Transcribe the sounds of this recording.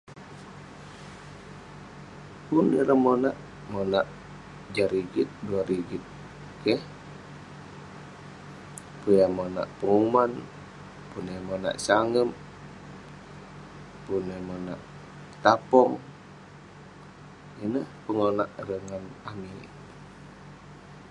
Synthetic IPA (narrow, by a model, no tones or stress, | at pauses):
punəɾəmonaʔ | ŋonaʔ | d͡ʒaɾiɡit̪̚duaɾiɡit̪̚ | kɛh | pujamona̰ʔpəŋuman | punəmona̰ʔsaŋəm | punəmona̰ʔ | t̪apɔŋ | inəhpəŋonaʔrəŋanami